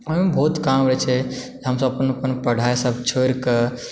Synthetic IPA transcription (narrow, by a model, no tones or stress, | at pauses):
əmebʱoːt̪kamɾət͡ʃʰɛd͡ʒɦəms̬əbɐpənpənpəɽ̤ʱajsəbʱt͡ʃʰoɾkə